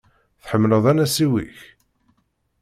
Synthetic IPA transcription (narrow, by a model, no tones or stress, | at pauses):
θħəmːləðˤænæsiwḭç